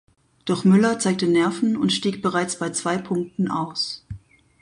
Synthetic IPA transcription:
d̥ɔχmʏlɐt͡saɪk̚tənɛɐfn̩ʊntʃtiːk̚b̥əʁaɪt͡sb̥aɪt͡sv̥aɪpʰʊŋk̚tn̩ʔa̰ʊs

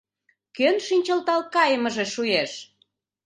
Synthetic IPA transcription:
kønʃinʲt͡ɕəlt̪ɑlkɑjəməʒeʃujeʃ

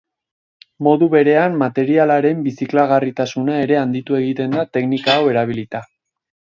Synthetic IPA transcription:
mo̞ðuβe̞ɾe̞amːat̪e̞ɾialaɾe̞mbisiklaɣarit̪asunae̞ɾe̞and̪it̪ue̞ɣ̞it̪e̞nd̪at̪e̞knikaːwe̞ɾaβ̞ilit̪a

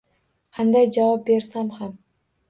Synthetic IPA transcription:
qʰɑnd̪ajd͡ʒavɒp̚be̞ɾsamham

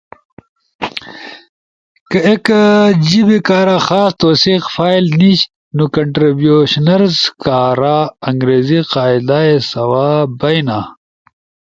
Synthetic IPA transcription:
kɐekd͡ʑibikaːɾaxaːst̪oːsiːqfaːilniɕ | nukɐɳʈɾibjuɕnɐɾzkaːɾaɐŋɡɾeːziqaːid̪aesɐwaːbɐjna

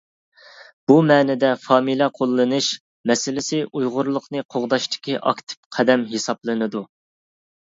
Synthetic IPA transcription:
b̥umɛːnɪd̪ɛfɑːmilˠɛqʰolˠːɨnɨʃ | mɛsɪlɪsɪʔujʁʊɾlˠʊqnɨqʰoʁd̪ɑʃt̪ʰɪ̥kʲiʔɑ̰kʲt̪ʰɪ̥p̚qʰæd̪ɛmɦesɑplˠɨnɨd̪u

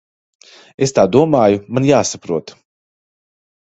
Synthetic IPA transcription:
est̪aːd̪uɔmaːjumanjaːsapɾuɔt̪

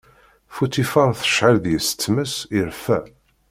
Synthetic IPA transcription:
fut̪ifɑnθə̥ʃʕalðjəsə̥t̪ːməsiɾfæ

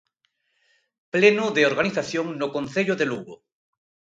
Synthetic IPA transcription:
plenoðeoɾɣaniθaθjoŋnokonθeʎoðeluɣɾo

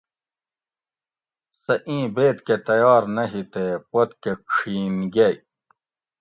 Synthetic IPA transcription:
sɐʔĩːbeːt̪ket̪ɐjɑːɾnɐɦit̪eːpɐt̪kekʂʰiːnɡej

